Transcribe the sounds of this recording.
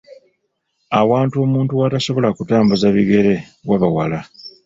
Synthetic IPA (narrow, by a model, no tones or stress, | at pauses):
awaːntuo̞ːmuːntuwataso̞βo̞lakutaːmbuzaβiɡe̞ɾe̞ | waβawala